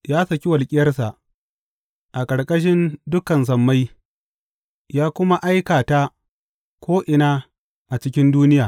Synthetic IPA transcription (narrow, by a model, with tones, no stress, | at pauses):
jaː˦sɐ˨kʲi˦wɐ˨lkʲʼɪ˦jɐ˦rsa˨ʔ | ʔa˨kʼɐ˨ɽkʼɐ˦ʃ̬ɪ˦ndʊ˦kɐ˨ns̬ɐ˨mːa˦j | jaː˦kʷʊ˦ma˦ʔa˦jkaː˨ta˦ | kʷoː˦ʔɪ˨naː˦ | ʔa˨t͡ʃɪ˦kʲɪ˦nduː˦nɪ˦jaː˨